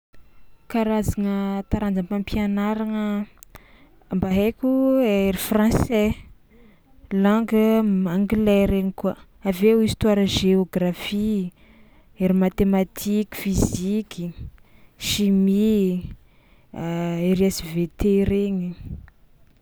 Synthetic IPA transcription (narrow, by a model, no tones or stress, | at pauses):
kaɾazaŋət̪aɾand͡zəmpãmpianaɾaŋə | mbaɦekʲueɾifrɑ̃sɛ | laŋɡəmaŋɡilɛɾeɲikuə | avewist̪waɾəʒeoɡrafi | eɾimat̪emat̪ʰikʲi̥fizikʲi | ʃimi | eɾiesivet̪eɾeɲi